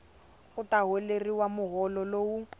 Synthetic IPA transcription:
ʊtaɦeleriwamʊɣɔlɔloːwu

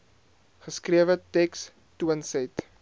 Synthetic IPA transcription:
χəskriəvətɛks | tuənsɛt

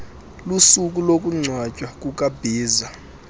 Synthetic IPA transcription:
lusukʼulokʼuŋ͡ǀʱwat͡ʃʼwakʼukʼab̥ʱiːza

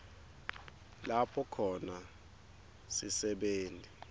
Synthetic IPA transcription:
lapʰɔkʰɔna | sisɛɓeːntʼi

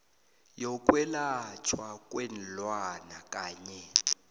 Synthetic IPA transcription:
jɔk̬ʼwɛlat͡ʃʰwakʼwɛn̩lwanakʼaːɲɛ

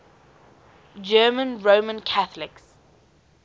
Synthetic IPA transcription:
d͡ʒɜːmə̃nɹoːmə̃nkʰaθəlɪks

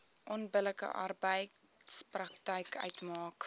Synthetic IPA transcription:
ʔɔnbələkə̰ʔɐ̰rbəj | sprɐktəjkœ̰ɥtmɑːk

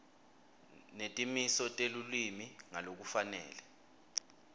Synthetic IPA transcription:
netʼimisɔtʼelulwimiŋalok̬ufanɛ̰ːlɛ

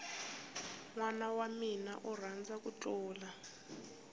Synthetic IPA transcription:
ŋwanawamina̰ʔɔrand͡zʱak̬ʼut͡ɬʼɔːla

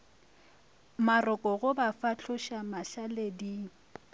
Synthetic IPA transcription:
marɔkʼɔɣʊbafat͡ɬʰʊʃamaɬaledi

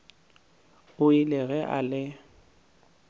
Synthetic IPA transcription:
ʊilɪɣɛʔa̰lɪ

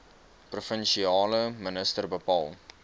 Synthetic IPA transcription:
prufənʃiɑːləmənəstərbəpɑːlˠ

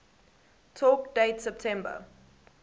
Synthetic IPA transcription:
tʰɔkd̥eɪtsɛp̚tʰɛ̃mbə̰

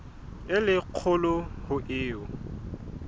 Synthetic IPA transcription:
ɪlɪq͡χʰʊlʊhʊʔɪːʊ

